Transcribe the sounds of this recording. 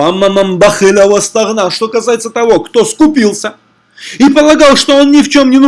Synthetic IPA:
amamɐmbɐxɨlʲəvəst̪ɐɾnaʂt̪o̞kɐsajɪt̪sət̪ɐvo̞kt̪oskʊpʲilˠsʲə | ipəlˠɐɡɑlˠʂt̪oonnʲɪft͡ɕo̞mnʲɪnʊ

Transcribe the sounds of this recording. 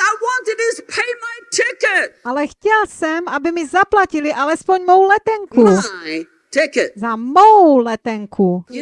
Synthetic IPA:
aɪwɑ̃ntɨdɨspʰeɪmaɪtʰɪkət̚ʔalɛxcɛlsɛmʔabɪmizaplaciliʔalɛspoɲmowlɛt̪ɛŋkuɪ | tʰɪkɨt̚zamowlɛt̪ɛŋkʰu

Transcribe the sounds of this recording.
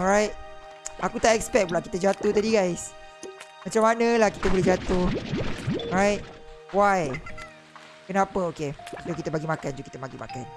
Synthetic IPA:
ɔɹajt̚ | ʔakut̪aʔɛkspɛk̚pulaʔkit̪ad͡ʒat̪ot̪adiɡajs | mat͡ʃamːanəlahkit̪əbolɛɦd͡ʒat̪o | ɹajt̚ | waj | kənãpəokesokit̪əbaɡimakand͡ʒukit̪əbaɡima̰kan

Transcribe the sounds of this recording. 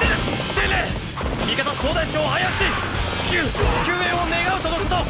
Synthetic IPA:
e̥ | t̪ele | mʲikat̪asoːd̪aɕoːajaɕi̥ | kʲɨkʲɨːeone̞ɡaɯ̟t̪od̪okɯ̥t̪o

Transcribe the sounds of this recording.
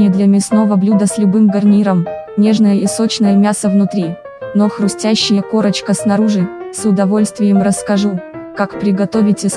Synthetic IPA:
ɪd̪lʲɐmʲɪsno̞vəblʲud̪əsʲlʲʊbɨmɡɐrnʲiɾəm | nʲe̞ʐnəjəiso̞t͡ɕnəjəmʲasəvnʊt̪ɾʲi | noxɾʊsʲtʲæɕːɪjəko̞ɾət͡ɕkəsnɐɾuʐɨsʊd̪ɐvo̞lʲst̪vʲɪjəmrəskɐʐukakpɾʲɪɡɐt̪o̞vʲɪtʲɪ

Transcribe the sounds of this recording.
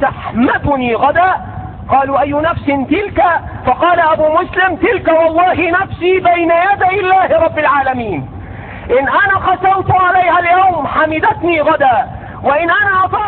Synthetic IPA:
aħmat̪niːɣad̪aː | qɑːluːʔajːʊnafsɪnt̪ɪlkafɑqɑːlaʔabuːmʊslɪmt̪ɪlkawɑlˤːɑːɦɪnafsiːbajnajad̪ajɪlːaːhɾˤɑbːalʕaːlamiːn | ʔɪnʔanaːqɑsɑlt̪ʕalajhaljawmħamɪd̪at̪niːɣad̪aː | waʔɪnʔanaːʔɑfɑ

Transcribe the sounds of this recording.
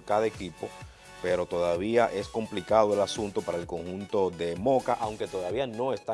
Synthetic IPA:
kaðekipo̞ | pe̞ɾo̞t̪o̞ðaβ̞iaʔe̞sko̞mplikaðoe̞lasunt̪o̞paɾaelko̞ŋhunt̪oðe̞mo̞kaʔawŋke̞t̪o̞ðaβiano̞e̞st̪a

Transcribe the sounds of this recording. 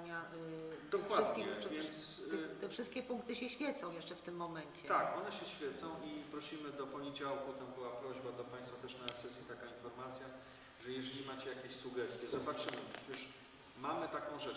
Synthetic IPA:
ɲad̪ɔkwʂasd̪kʲiɲɛvʲjɛnnt̪st̪ɛfʂɘst̪̚kʲɛpuŋk̚t̪ɘɕɛɕfʲjɛt̪sɔ̃w̃jɛʂt͡ʂɛft̪ɘmːɔmɛɲt͡ɕɛt̪akɔnɛɕɛɕfʲjɛt̪sɔ̃w̃ʔipɾɔɕimɘd̪ɔpɔɲed͡ʑawkut̪ambɘwapɾɔʑbad̪ɔpãj̃st̪fat̪ɛʂnasɛsʲit̪akainfɔɾmat̪sʲja | ʐɛjɛʐɛlʲimat͡ɕɛjakʲeɕsuɡɛst̪ʲjɛzɔbat͡ʂɘmɘpɛt͡ɕɛʂ | mamɘt̪akɔ̃w̃ʐɛ

